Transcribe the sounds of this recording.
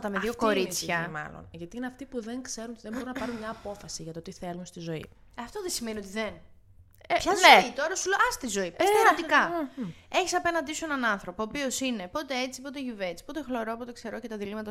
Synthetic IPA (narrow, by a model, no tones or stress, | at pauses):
t̪ɐmeðioko̞ɾit͡sçɐmɐ̰lo̰nʝɐt̪iineɐft̪ipuðeŋkse̞ɾunot̪iðembo̞ɾunɐpɐɾunmɲɐːpo̞fɐsiʝɐt̪oot̪iθelunst̪izo̞ḭ | ɐft̪oðesimenio̞t̪iðen | çɐzoit̪o̞ɾɐsuleʔɐst̪izo̞ipest̪enɐt̪ikɐ | e̞çisɐpe̞nɐnd̪isue̞nɐnɐnθɾo̞poːpio̞sine̞po̞t̪e̞et͡si̥po̞t̪eʝuve̞t͡si̥po̞t̪e̞xlo̞ɾo̞pot̪ekse̞ɾo̞cet̪ɐðilimɐt̪ɐ